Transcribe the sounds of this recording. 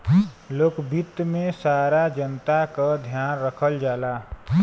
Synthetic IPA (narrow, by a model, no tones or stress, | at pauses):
loːkbit̪mẽsaːɾad͡ʒənt̪akad̪ʱjaːnɾəkʰəld͡ʒaːlaː